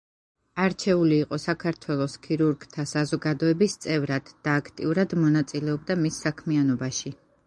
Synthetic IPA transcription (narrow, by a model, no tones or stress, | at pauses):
aɾt͡ʃʰɛuliːqʼɔsakʰaɾt̪ʰwɛlˠɔskʰiɾuɾɡt̪ʰasazɔɡad̪ɔɛbist̪sʼɛvɾad̪̥ːaːkʰt̪ʼḭuɾad̪mɔnat̪sʼilɛɔb̚d̪amisːakʰmianɔbaʃi